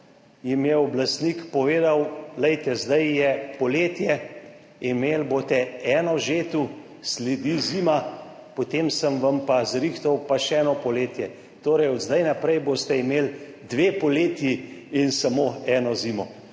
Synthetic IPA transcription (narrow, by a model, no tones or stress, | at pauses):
jimjɛɔblast̪nikpɔʋeːd̪awlɛjt̪ɛzd̪ajjɛpɔleːt̪jɛ | imeːlboːt̪ɛɛːnɔʒeːt̪u | sled̪izima | pɔt̪eːmsəmʋampazɾixt̪ɔwpaʃɛɛnɔpɔleːt̪jɛ | t̪oːɾɛjɔd̪zd̪ajnapɾɛjbost̪ɛimeːl | d̪ʋepɔleːt̪jiinsamoɛːnɔzimɔ